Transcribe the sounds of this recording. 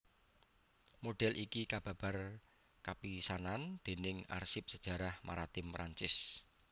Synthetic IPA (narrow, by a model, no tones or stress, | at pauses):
moɖ̥ɛlʔikikab̥ä̤b̥a̤r | kapisanand̪̥e̤nɪŋa̰rsɪp̚səd̥ʒ̥ä̤ɾahmaɾat̪ɪmpɾaɲt͡ʃɪs